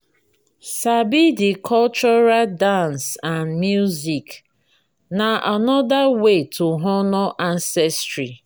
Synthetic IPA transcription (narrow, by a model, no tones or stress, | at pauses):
sabidikʰɔlt͡ʃɔɾaldãnsãnmjuzik | naʔanɔdawetʰuɦɔnɔʔansɛstɾi